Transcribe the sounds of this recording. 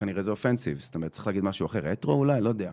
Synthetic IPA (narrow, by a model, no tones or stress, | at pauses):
kaniʁezeofensivstomeʁt̪ːt͡sḁiχlaːɡid̪maʃuaχe̞ʁetʁoulajlo̞d̪ea